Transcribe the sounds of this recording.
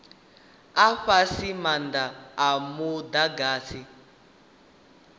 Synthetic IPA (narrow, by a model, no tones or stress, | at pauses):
aɸasimand̪aːmud̪aɡaːsi